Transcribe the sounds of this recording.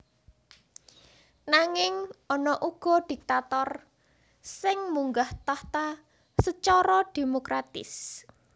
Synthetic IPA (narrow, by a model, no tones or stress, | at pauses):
naŋɪŋʔɔnɔʔuɡ̥ɔ̤d̪̥ik̚t̪at̪ɔr | sɪŋmuŋɡaht̪aht̪a | sət͡ʃɔɾɔd̪̥emokɾat̪ɪ̰s